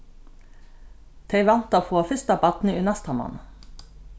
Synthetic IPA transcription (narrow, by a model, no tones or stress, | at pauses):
t̪ʰeɪʋɑnt̪ɑfʰoːfʏst̪ɑbɑt̪n̩y̰ːnɑst̪ʰɑmɑ̰n